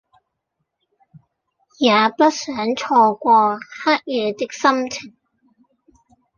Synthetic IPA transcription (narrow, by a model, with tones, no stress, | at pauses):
jaː˨˧pɐ˥t̚sœː˨˥ŋt͡sʰɔː˧kʷɔː˧haː˥k̚jɛː˨˧t̪ɪ˥k̚sɐ˥mt͡sʰɪ˨˩ŋ